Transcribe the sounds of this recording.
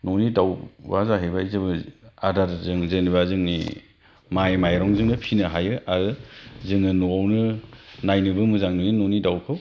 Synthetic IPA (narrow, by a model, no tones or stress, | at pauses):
nɔnidawwazaɦejbaizɯbɯadaɾzɯŋzɯniβazɯŋnḭ | majmajɾɔŋzɯŋnɯpʰinɯɦajɯaɾɯzɯŋnɯnuawnɯnajnɯbɯmɯzaŋnɯninɔnidawkʰɯw